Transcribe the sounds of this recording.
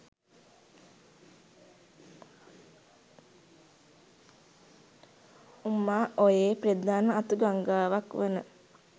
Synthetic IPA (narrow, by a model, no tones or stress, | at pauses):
umːaːʔojeːpred̪aːnəat̪uɡaŋɡaːʋakʋenə